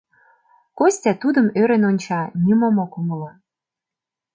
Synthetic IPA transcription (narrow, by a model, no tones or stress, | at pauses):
kosʲtʲæt̪ud̪əmøɾenonʲt͡ɕɑnʲimomokuməlɑ